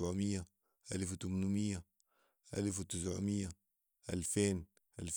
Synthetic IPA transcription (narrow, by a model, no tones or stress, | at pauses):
ʕmijːa | ʔalft̪umnumijːa | ʔalfwt̪ɪs̬ʕʊmijːa | ʔalfeːn | ʔalf